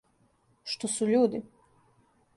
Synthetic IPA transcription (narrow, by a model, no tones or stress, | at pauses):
ʃt̪osuʎuːd̪i